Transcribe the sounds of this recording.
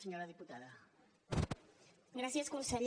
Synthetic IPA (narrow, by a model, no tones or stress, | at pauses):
seɲoɾɐðiput̪aðɐ | ɡɾaθjaskosaɾj